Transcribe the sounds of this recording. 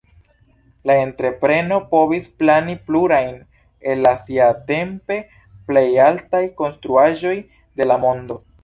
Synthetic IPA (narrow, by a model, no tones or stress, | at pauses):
lae̞ntɾe̞pɾe̞no̞po̞visplanipluɾajn | e̞lːasiate̞mpe̞ | ple̞jaltajko̞nstɾuaʒo̞j | de̞lamo̞ndo̞